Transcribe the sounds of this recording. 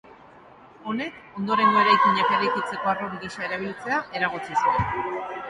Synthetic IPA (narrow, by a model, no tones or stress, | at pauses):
o̞ne̞ko̞nd̪o̞ɾe̞ŋɡo̞e̞ɾajkiɲakeɾajkit͡se̞ko̞aroβiɾisae̞ɾaβ̞ilt͡se̞ae̞ɾaɣut͡sisue